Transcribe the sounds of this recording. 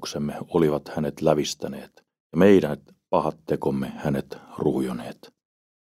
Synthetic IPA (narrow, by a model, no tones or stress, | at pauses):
ksemːeoliʋɑt̪hænet̪læʋist̪æneːt̪ | jɑmeiɾænt̪ | pɑhɑt̪ːekomːehænet̪ruːjoneːt̪